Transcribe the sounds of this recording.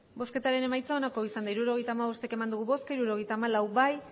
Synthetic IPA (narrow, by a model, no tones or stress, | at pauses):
bo̞ske̞t̪aɾe̞ne̞majt͡saonako̞isand̪aiɾuɾo̞ɣe̞jt̪aːmaβo̞st̪eakemand̪uɣ̞uβo̞skaiɾuɾo̞ɣe̞jt̪aːmalawbaj